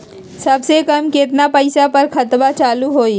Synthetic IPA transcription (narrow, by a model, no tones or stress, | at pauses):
sɐbsekɐmket̪̬napəɪsapɐɾkʰɐt̪bat͡ʃaːluɦoːi